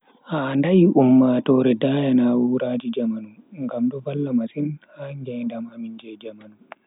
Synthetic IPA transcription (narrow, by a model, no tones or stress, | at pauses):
handajiʔumːaːtɔɾɛdajanawuɾad͡ʒid͡ʒamanuŋɡamdɔvalːamasinhaŋɡɛndamamind͡ʒɛd͡ʒamanu